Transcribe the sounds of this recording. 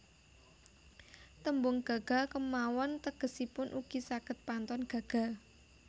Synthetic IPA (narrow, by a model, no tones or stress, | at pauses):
t̪əmbʊŋɡ̥a̤ɡ̥a̤kəmawɔnt̪əɡ̥ə̤sipʊnʔuɡ̥isakət̪̚pant̪ɔnɡ̥a̤ɡ̥a̤